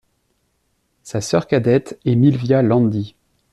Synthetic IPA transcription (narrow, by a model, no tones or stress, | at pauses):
sasœʁkad̪ɛt̪ɛmilvjalɑ̃nd̪i